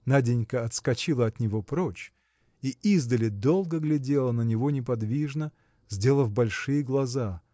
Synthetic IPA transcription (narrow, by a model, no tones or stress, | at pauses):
nadʲɪnʲkəɐt̪skɐt͡ɕilˠəɐt̪nʲɪvo̞pɾot͡ɕ | iizd̪əlʲɪd̪o̞lˠɡəɡlʲɪdʲe̞lˠənənʲɪvo̞nʲɪpɐd̪vʲiʐnə | zʲdʲe̞lˠəvbɐlʲʂɨjəɡlˠɐza